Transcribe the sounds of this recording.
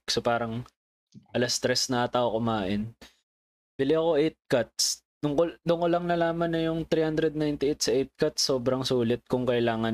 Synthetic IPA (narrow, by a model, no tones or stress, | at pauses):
ksopaːɾɐŋ | ʔɐlɐst̪ɾɛsnɐʔat̪aʔokʊmaːʔɪn | bɪlɪɐko̞ʔɛjt̪̚kɐt̪̚s | nʊŋkd̪ʊŋkolɐŋnɐlaːmɐnːɐjʊŋt̪ɾiːhand̪ɾɛd̪̚najnt̪ɪʔejt̪̚sɐʔɛjt̪̚kat̪̚sːoːbɾɐŋsuːlɪt̪̚kʊŋkɐʔɪlaːŋɐn